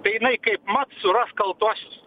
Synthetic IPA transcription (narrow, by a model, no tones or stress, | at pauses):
t̪ɐɪjɪnɐɪkɐɪpmɐt̪sʊɾɐskɐlˠt̪uɔsʲʊs